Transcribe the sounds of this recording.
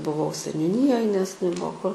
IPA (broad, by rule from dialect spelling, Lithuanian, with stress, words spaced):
bʊˈʋɐʊ sʲɛnʲʊˈnʲiːjoːj nʲɛs nʲɛˈbuɔ kʊr